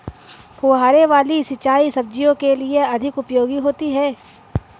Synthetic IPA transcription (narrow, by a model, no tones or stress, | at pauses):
poːɦaːɾeʋaːlisɪt͡ʃaːisɐb̚d͡ʒijõkelieɐd̪ʱɪkʊpjoːɡiɦoːt̪iɦɛː